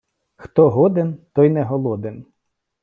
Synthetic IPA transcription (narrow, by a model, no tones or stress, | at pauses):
xt̪ɔɦɔd̪ent̪ɔjnɛɦɔlˠɔd̪en